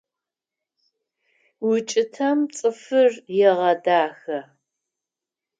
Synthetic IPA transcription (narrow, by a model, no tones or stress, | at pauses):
wʊt͡ʃʼɪtʰɐmt͡sʼɨfɨrjɛʁɐdaːxɐ